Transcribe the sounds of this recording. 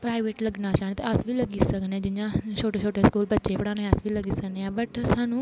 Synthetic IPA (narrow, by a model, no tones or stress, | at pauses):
pɾaːiʋeːʈləɡnaːt͡ʃaːnt̪eəsbiːləɡiːsəkneãd͡ʒɪjãːt͡ʃʰoːʈoːt͡ʃʰoːʈeːskuːlbətːʃeːpəɽaːneəsbʱiːləɡiːsəkneãːbəʈsaːnũː